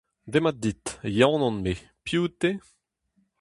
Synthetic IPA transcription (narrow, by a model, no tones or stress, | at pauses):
d̪emad̪it̪jãwnɔ̃nme | pjuːt̪e